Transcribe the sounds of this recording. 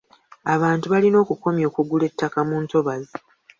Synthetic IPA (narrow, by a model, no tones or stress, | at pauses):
aβaːntuβalino̞ːkuko̞mjo̞ːkuɡule̞tʰːakamuːnto̞βazi